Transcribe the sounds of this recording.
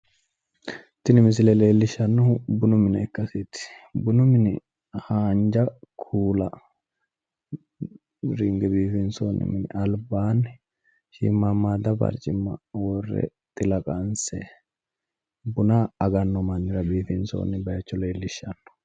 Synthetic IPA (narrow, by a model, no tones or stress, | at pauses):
t̪ɪnɪmɪs̬ɪlɛleːlːɪʃːɐnːɔbʊnʊmɪnɐɛkːɐsɪt̪ɪ̥bʊnʊmɪnɪ | haːnd͡ʒɐkʰuːlɐ | ɾɪŋɡɛbiːfɪnsonːɪ̰mɪnɪʔɐlbaːnɪ | ʃḭmːamːaːd̪ɐbɐ̰ɾt͡ʃʼɪmːɐwɔrːɛ̰ | t̪ʼɪlɐkʼɐnsɛ | bʊnaːɐɡɐnːɔmɐnːɪɾɐbiːfɪnso̰ːnːɪbɐjɐt͡ʃːɔleːlːɪʃɐnːɔ̥